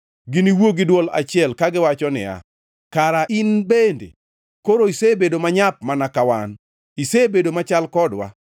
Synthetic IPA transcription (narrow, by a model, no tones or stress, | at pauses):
ɡɪniwoɡɪdwɔla̰t͡ʃɪɛlkaɡɪwat͡ʃɔnɪ̰a̰ | kaɾaʔinbendḛ | koɾoisebedomaɲap̚manakawan | isebedomat͡ʃalkɔdwa̰